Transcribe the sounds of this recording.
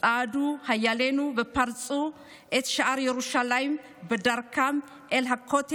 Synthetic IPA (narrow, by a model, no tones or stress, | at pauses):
sʼad̪uhajːalenubəpʰaɾt͡sʼu | ʔet̪ʃaʔaɾjɛɾuʃalajm | bəd̪aɾkʰam | ʔelɦakʰːot̪ʰ